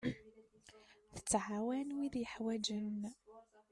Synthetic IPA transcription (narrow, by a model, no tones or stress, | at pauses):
θə̥t͡sːʕawænwiðjəħwæd͡ʒən